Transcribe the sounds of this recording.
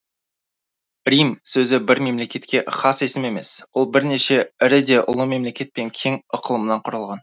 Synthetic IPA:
ɾijmsɵzɪbɪɾme̞mle̞kʲe̞t̪kʲe̞χɑse̞sɪme̞me̞swo̞lˠbɪɾne̞ʃe̞ɪɾɪd̪e̞ʔʊ̰lˠəme̞mle̞kʲe̞t̪̚pe̞ŋkʲʰe̞ŋəqʰəlˠəmənɑɴqʰʊɾəlˠʁɑn

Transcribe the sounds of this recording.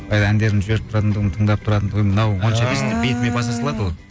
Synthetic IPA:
ɑjd̪ɑænd̪e̞ɾɪnʒbe̞ɾɪp̚t̪ʰɾɑt̪ənd̪əʁənət̪ʰəɴd̪ɑp̚t̪ʰʊɾɑt̪ənd̪əʁnɑwwonʃɑbest̪ɪbet̪ɪmebɑsɑsəlˠɑd̪wolˠ

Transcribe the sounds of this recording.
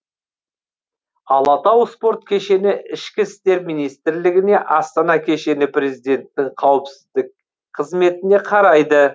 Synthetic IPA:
ɑlˠɑt̪ɑwspo̞ɾt̪̚kʲʰe̞ʃe̞nɪɪʃkʲɪst̪e̞ɾmijnijst̪ɪɾlɪɡʲɪne̞ʔɑst̪ɑnɑkʲʰe̞ʃe̞nɪpɾe̞zijd̪e̞nt̪ːɪɴqʰɑwəpsɪzd̪ɪk̚ | qʰəzme̞t̪ɪne̞qʰɑɾɑjd̪ə

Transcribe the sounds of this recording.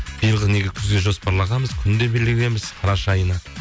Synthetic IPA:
b̥ijəlˠʁəzne̞ɡʲekʲʰʏzɡ̪eʒo̞spɑɾlˠɑʁɑməzkʲʰʏnd̪e̞bɪlɡʲɪle̞mɪz̥qʰɑɾɑʃɑjənɑ

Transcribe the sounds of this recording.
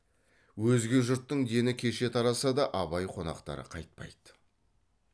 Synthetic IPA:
wɵzɡʲe̞ʒʊɾt̪ːəɴd̪e̞nɪkʲʰe̞ʃe̞t̪ʰɑɾɑsɑd̪ɑʔɑbɑjqʰo̞nɑ̰qt̪ɑ̰ɾə̰qʰɑjt̪̚pɑ̰jd̪

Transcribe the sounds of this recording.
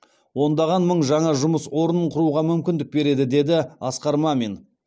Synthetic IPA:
wo̞nd̪ɑʁɑnməɴʒɑɴɑʒʊməswo̞ɾənəɴqʰʊɾuʁɑmʏmkʲɪnd̪ɪk̚be̞ɾe̞d̪ɪd̪e̞d̪ɪɑsqɑɾmɑme̞n

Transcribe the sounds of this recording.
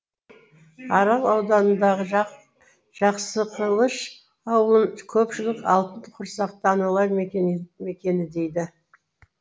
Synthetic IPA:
ɑɾɑlˠɑwd̪ɑnənd̪ɑʁə | ʒ̥ɑqsəqʰəlˠəʃ | ɑwəlˠəɴkʲʰɵpʃɪlɪkɑ̰lˠt̪ənd̪əqʰʊɾsɑq̚t̪ɑnɑlˠɑɾmeme̞kʲe̞nɪd̪e̞jd̪ɪ

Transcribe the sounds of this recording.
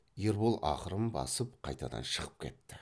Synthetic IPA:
jeɾbolˠʔɑqəɾəmbɑ̰səp̚qʰɑjt̪ɑd̪ɑ̰nʃəʁəp̚kʲʰe̞t̪ːɪ

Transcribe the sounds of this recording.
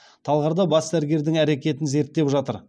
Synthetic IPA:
t̪ʰɑlˠʁɑɾd̪ɑbɑsd̪æɾɡʲe̞ɾd̪ɪŋæɾekʲe̞t̪ɪnze̞ɾt̪ːe̞pʒɑt̪əɾ

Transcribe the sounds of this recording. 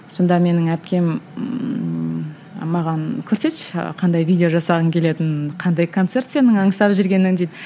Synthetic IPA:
so̞nd̪ɑme̞nɪŋæpkʲe̞m | mːɑʁɑnkʲʰɵɾse̞t̪ʃqʰɑnd̪ɑjvʲid̪ʲeoʒɑsɑʁəŋkʲʰe̞le̞t̪ɪnqʰɑnd̪ɑjkʰo̞nt̪se̞rt̪se̞nɪŋɑɴəsɑpʒɪɾɡʲe̞nɪŋd̪ejd̪ɪ

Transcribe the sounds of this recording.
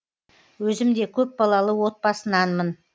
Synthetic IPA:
wɵzɪmd̪e̞kʲʰɵp̚bɑlˠɑlˠəwo̞t̪̚pɑsənɑnmən

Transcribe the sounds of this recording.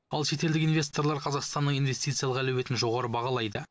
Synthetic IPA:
ɑlˠʃe̞t̪e̞ld̪ɪkijnvʲe̞st̪o̞ɾlˠɑɾqʰɑzɑqst̪ɑnːəɴijnve̞st̪ijt̪sɨjalˠʁɑlewe̞t̪ɪnʒo̞ʁɑɾəbɑʁɑlˠɑjd̪ə

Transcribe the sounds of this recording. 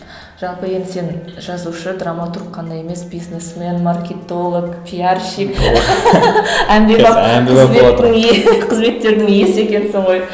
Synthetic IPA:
ʒ̥ɑlˠpəjend̪ɪse̞nʒ̥ɑzuʃəd̪ramat̪urqqʰːɑnd̪ɑje̞me̞sbijznesmʲe̞nmarkʲet̪o̞lˠokpʰʲijarʃik | ænb̪e̞ɑæameːɪŋeqʰəzme̞t̪ːe̞ɾd̪ɪŋjese̞kʲe̞nsɪɴʁo̞j

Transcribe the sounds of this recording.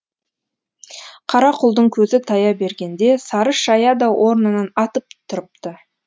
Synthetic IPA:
qʰɑɾɑqʰʊlˠd̪əɴkʲʰɵzɪt̪ʰɑjɑbe̞ɾɡʲe̞nd̪e̞sɑɾəʃɑjɑd̪ɑwʔo̞ɾnənɑnɑt̪əp̚t̪ʰʊɾəp̚t̪ə

